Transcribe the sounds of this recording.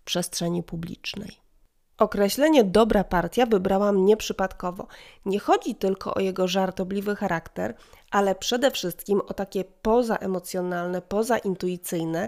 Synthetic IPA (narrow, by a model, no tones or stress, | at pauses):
pʂɛstʂɛɲipublʲḭt͡ʂnɛ̰j | ʔɔkɾɛɕlɛɲɛd̪ɔbɾapaɾt̪ʲjavɘbɾawamɲɛpʂɘpat̪kɔvɔ̰ɲɛxɔd͡ʑit̪ɘlkɔ̰ʔɔ̰jɛɡɔʐaɾt̪ɔblʲivɘxaɾʔakt̪ɛ̰ɾ | ʔalɛpʂɛd̪ɛfʂɘst̪kʲimɔt̪akʲɛpɔza̰ʔɛmɔt̪sʲjɔnalnɛpɔzaʔint̪ujit̪sɘjnɛ